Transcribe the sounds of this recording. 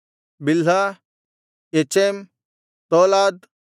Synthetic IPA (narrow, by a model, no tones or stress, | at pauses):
bilɦa | et͡ʃem | t̪oːlaːd̪